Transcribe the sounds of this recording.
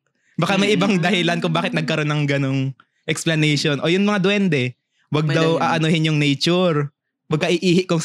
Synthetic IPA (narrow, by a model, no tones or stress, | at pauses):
bɐkamɐjʔɪbaŋd̪ɐhɪlankʊŋbaːkɪt̪nɐɡ̚kɐɾo̞nːɐŋɡɐnoŋ | ʔɛksplɐnɛjʃonʔo̞ːjʊŋmɐŋad̪wɛnd̪ɛ | wɐɡ̚d̪ɐwʔaːʔɐnohɪnjʊŋnɛjt͡ʃʊɾ | wɐɡ̚kɐʔiʔiːhɪʔkʊŋ